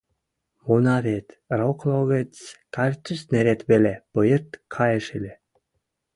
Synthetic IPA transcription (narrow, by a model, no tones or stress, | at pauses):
munɑɾet̪ | rokloɣet͡skɑrʲt̪ysneɾet̪βelepɤjərt̪kʰɑjeʃelʲe